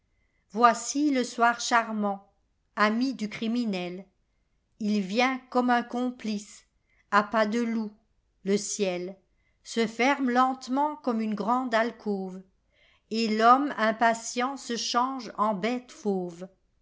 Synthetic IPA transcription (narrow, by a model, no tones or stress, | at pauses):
vwasiləswaʁʃaʁmɑ̃ | amid̪ykχiminɛl | ilvjɛ̃kɔmɛ̃kɔ̃plis | apad̪əlu | ləsjɛl | səfɛʁmlɑ̃t̪mɑ̃kɔmynɡʁɑ̃d̪alkʰov | elɔmɛ̃pasjɑ̃səʃɑ̃ʒɑ̃bɛt̪foːv